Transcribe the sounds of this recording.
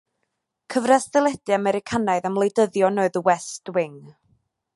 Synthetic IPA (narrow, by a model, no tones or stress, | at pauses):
kʰəvrɛsðɛlˠɛd̥ɨamɛɾɪkʰanaɨðamlˠejdəðjɔnoːɨðəwɛstwɪŋ